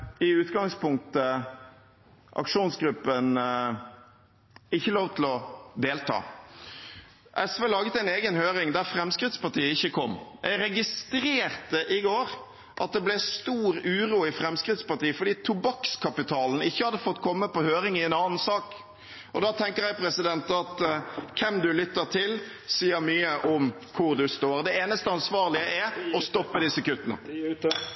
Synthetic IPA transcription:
ɪʉːt̪ɡɑŋspʊŋk̚t̪ə | ʔɑ̰kʂuːnsɡɾʉpːən | ɪçːəloːʋt̪ʰlɔd̪eːlt̪ʰɑ̰ː | ʔɛsʋeːlɑːɡət̪æɪneːɡənhøːɾɪŋd̪æɾfɾɛmskɾɪt̪spɑʁʈiːəɪçːəkʰɔmːjʔæ̰ɪɾɛɡɪst̪ɾeːɾt̪əʔɪɡoːɾ | ʔɑt̪̚d̪ɛblɛst̪uːɾʉːɾuːɪfɾɛmskɾɪt̪spɑʁt̪iːəfɔɖ̪iːt̪ʰʊbɑkskʰɑpɪt̪ʰɑːln̩ɪçːəhɑd̪ːəfɔt̪ːkʰɔmːəpɔhøːɾɪŋɪɛnɑːn̩sɑːk | ʔɔd̪ɑːt̪ʰɛŋkəɾjɛɪpʰɾɛsɪd̪ɛnt̪ɑt̪kʰɛmd̪ʉlʏt̪ːəɾt̪ʰɪl | siːəɾmyːəʔɔm | kʰʊɾd̪ʉst̪oːɾd̪ɛeːnəst̪əɑnsʋɑːʁlɪəʔɛɔst̪ɔpːəd̪ɪsəkʉt̪ːənə̰

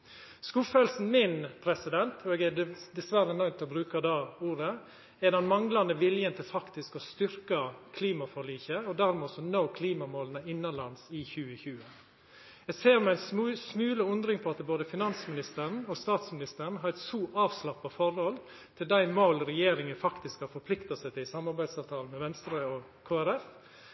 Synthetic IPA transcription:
skuːfœːlsn̩mɪnpʰɾɛsɪd̪ɛnt̪ʰɔɛɡɛd̪ɛsʋæɾənœʏt̪ɛɔbɾʉːkɑd̪ɑːuːɾə | ɛd̪ɛnmɑŋlɑnəʋɪljənt̪ʰɪlfɑkt̪ɪskɔst̪ʏɾkɑkʰliːmɑfɔɭiːçəɔd̪æɾmɛɔsɔnoːkʰliːmɑmoːlənəɪnːɑnlɑnsɪçʉːəçʉːə | jæɪseːɾmɛæɪnsmʉːləʊnd̪ɾɪŋpʰɔɑt̪boːd̪əfɪnɑnsmɪnɪst̪əɾn̩ɔst̪ɑːt̪smɪnɪst̪əɳ̩ɦɑɾɛt̪suːʔɑːʋslɑpːɑfɔɾhɔl | t̪ʰɪld̪æɪmoːlɾɛjeːɾɪŋənfɑkt̪ɪskhɑɾfɔɾpʰlɪkt̪ɑsɛɪt̪ɪlsɑmːɑɾbæɪsɑːʋt̪ʰɑːln̩mɛʋɛnst̪ɾəɔ | kʰoːæɾɛf

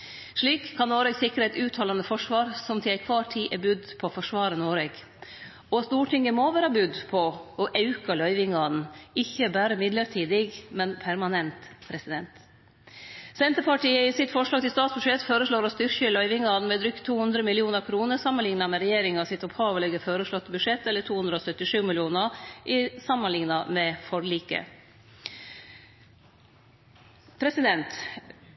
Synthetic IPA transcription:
ʂɭiːkʰːɑnːoːɾɛɡsɪkɾəɛt̪ʉːt̪ʰɑːlɑnəfɔʂʋɑːɾsɔmt̪ʰɪlæɪkʰʋɑːʈʰiːʔɛbʉd̪pʰɔfɔʂʋɑːɾənoːɾɛɡ | ɔst̪uːʈʰɪŋəmoʋæːɾɑbʉd̪pʰɔɔʔɑʉkɑlœʏʋɪŋɑːd̪n̩ɪçːəbæːɾəmɪd̪ləɾʈʰiːd̪ɪɡmɛnpʰæɾmɑnɛnt̪pʰɾɛsɪd̪ɛnt̪ | sɛnt̪əpʰɑʈiːəɪsɪt̪fɔʂɭɑːɡt̪ɪlst̪ɑːt̪sbʉʂɛt̪føːɾəʂɭoːɾɔst̪ʏɾçʏlɑɪʋɪŋːɑd̪n̩mɛd̪ɾʏkt̪ʰːuːhʉnd̪ɾəmɪlɪuːnəɾkʰɾuːnəɾsɑmːənlɪŋnɑmɛɾɛjeːɾɪŋɑsɪt̪ɔphɑːʋəlɛɡəføːɾəʂɭɔt̪ːəbʉʂɛt̪ːɛlːəʈʰuːhʉnd̪ɾɔsœt̪ːɪʂʉːmɪlɪuːnəʔɪsɑmːənlɪŋnɑmɛfɔɾliːkə̰ | pʰɾɛsɪd̪ɛnt̪

